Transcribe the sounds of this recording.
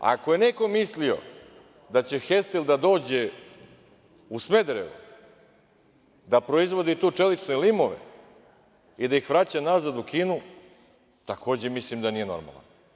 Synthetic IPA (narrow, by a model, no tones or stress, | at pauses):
a̰ko̞je̞ne̞ko̞mislio̞̰ | d̪at͡ɕe̞xest̪ild̪ad̪o̞ːd͡ʑe̞ | usme̞d̪ɾḛṵ | d̪apɾo̞izʋo̞d̪it̪uːt͡ʂe̞lit͡ʃnelimo̞ʋḛ | id̪aixʋɾat͡ɕanazad̪ukiːnu | t̪akʰo̞ːd͡ʑemislimd̪aniːje̞no̞̰ɾma̰lˠa̰n